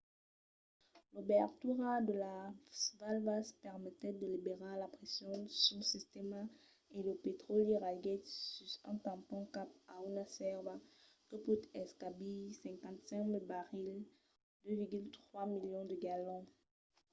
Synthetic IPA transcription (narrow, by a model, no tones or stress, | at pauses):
lobɛʁt̪yʁad̪əlasvalvaspɛʁmɛt̪ɛd̪əlibeʁelapχɛsjɔ̃syləsist̪ema | eləpet̪χɔliʁaɡɛt̪syʁɛ̃t̪ɑ̃pɔ̃kapaunasɛʁva | kəput̪ɛskabisɛ̃ŋkɑ̃t̪sɛ̃kmilbaʁil | d̪øviʁɡylt̪χwamiljɔ̃d̪əɡalɔ̃